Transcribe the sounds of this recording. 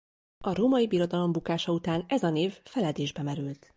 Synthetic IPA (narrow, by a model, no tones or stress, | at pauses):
ɒɾoːmɒjibiɾo̞d̪ɒlo̞mbukaːʃɒut̪aːnɛzɒneːffɛlɛd̪eːʒbɛmɛɾylt̪